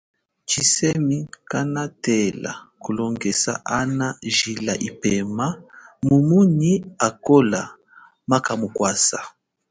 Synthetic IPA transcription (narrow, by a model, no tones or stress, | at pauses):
t͡ʃisɛmikanatɛla̰kulɔŋɡɛsa̰ʔanaʒilaʔipɛmamumuniakola | makamukwasa